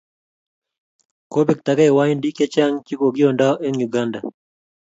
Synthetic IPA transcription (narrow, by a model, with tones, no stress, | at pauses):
ko˦bi˨k̚ta˨ka˦ɛ˨wa˦i˦ndi˦ke˦t͡ʃa˦ŋt͡ʃi˦ko˨ɡjo˨nda˦ʔe˦ŋju˨ɡa˦nda˨